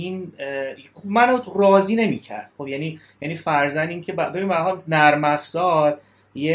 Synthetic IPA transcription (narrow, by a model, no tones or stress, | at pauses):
in | χobmænorɒːziːne̞miːcʰæ̰ɾd̪̥χobjæniː | jæniːfæɾzænd̪iːŋcʰebæbe̞binbæɾɦɒlnæɾmæfzɒːɾ | je